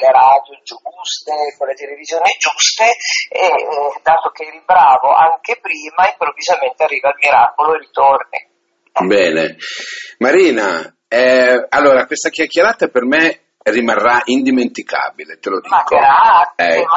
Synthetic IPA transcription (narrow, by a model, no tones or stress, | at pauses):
leɾad̪jod͡ʒuɡust̪ekolet̪elevizjoːnid͡ʒust̪eed̪aːt̪ok̟eɾibɾaːvoʔaŋkepɾiːmaimpɾovːizament̪earːiːvalmiɾaːkoloerit̪ornḭ | bɛːnḛ | maɾiːna | ɛalːoːɾakwest̪ak̟jakːeɾaːt̪aperme | rimarːaʔind̪iment̪ikʰa̰ːbilet̪elod̪iːkaɛ